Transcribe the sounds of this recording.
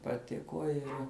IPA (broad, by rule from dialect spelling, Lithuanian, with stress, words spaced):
pɐˈtʲɪkoː ˈɪr